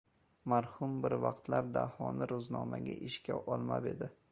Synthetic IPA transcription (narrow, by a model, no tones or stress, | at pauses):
maɾhʊmbɪɾvɑqt̪laɾd̪a̰hɒnɪɾʊznɒmaɡʲaʔɪʃkʲaʔɒlˠma̰be̞d̪ɪ